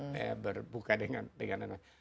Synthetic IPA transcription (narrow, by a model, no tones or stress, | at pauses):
ja̰bərbukadəŋandəŋandəŋan